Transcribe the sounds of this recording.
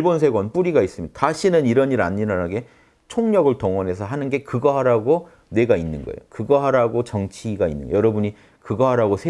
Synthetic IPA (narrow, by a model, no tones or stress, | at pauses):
bons̬ʰe̞ɡwʌnp͈uɾiɡais͈ɯmjidataɕʰinɯniɾʌniɾa̰ɲːiɾanaɡe̞ | t͡ɕʰoŋɲʌɡɯɭtoŋwʌnɦe̞sʰʌɦanɯnɡe̞kɯɡʌɦaɾaɡo | ne̞ɡainːɯnɡʌ̰ḛjokɯɡʌɦaɾaɡot͡ɕʌŋt͡ɕʰiɡainːɯ̰nɡ̰jʌɾʌbuɲi | kɯɡʌɦaɾaɡosʰe